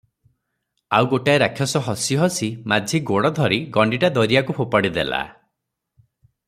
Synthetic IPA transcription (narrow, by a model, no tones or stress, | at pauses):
a̰wɡoʈaeɾakʰːjɔsɔɦɔsiɦɔsimad͡ʒʱiɡoɽɔd̪ʱɔɾiɡɔɳɖiʈad̪ɔɾiakupʰopaɽid̪ḛla̰